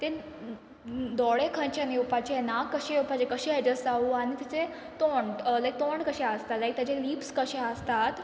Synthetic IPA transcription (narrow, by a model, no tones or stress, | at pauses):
t̪e | d̪ɔɭekʰə̃nt͡ɕanewpat͡ɕenakːəɕewpat͡ɕekəɕeɦed͡ʑəsaʋuaɽ̃it̪jat͡se | t̪oɳɖlajk̚t̪oɳɖkəɕeəst̪at̪lajk̚t̪jat͡ɕeliːpskəɕeəst̪at̪